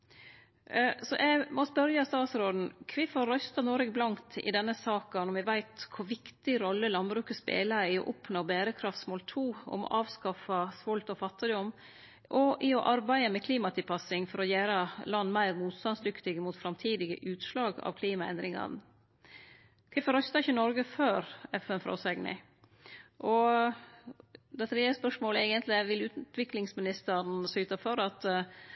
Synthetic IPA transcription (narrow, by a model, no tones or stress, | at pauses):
sɔʔɛmɔspœɾjɑst̪ɑːt̪sɾod̪n̩kʰʋɪfɑɾœʏst̪ɑnɔɾɛɡblɑŋt̪ʰɪ̰d̪ɛnːəsɑːkənɔmʋɛʋæɪt̪kʰʊʋɪkt̪ɪɾɔlːəlɑnbɾʉːkəspḛːləɾɪɔ̰ʔɔpnoːbæːɾəkʰɾɑft̪smɔːlt̪ʰuːɔ̰mɔ̰ʔɑːʋskɑfɑsʋɔlt̪ɔfɑt̪ːɪd̪ɔm | ʔɔʔɪɔʔɑɾbæɪəmɛkʰliːmɑt̪ʰɪlpʰɑsɪŋfɔɾɔjæːɾɑlɑnːmæɪɾmuːt̪st̪ɑnsd̪ʏkt̪ɪɡəmuːt̪fɾɑmt̪ʰiːd̪ɪɡə̰ʔʉːt̪ʂlɑːɡɑ̰ʋkʰliːmɑɛ̰nd̪ɾɪŋɑ̰n | k̪ʰɛfɔɾœst̪ɑɪçːənɔɾɡəføːɾɛfɛnfɾɔ̰sɛɡnɪ̰ | ʔɔ | d̪ɛt̪ʰɾeːəspœʂmoːləɛːɡənt̪ʰlɪæʋɪlʉːt̪ʋɪklɪŋsmɪnɪst̪ən̩syːt̪ɑfɔɾɑt̪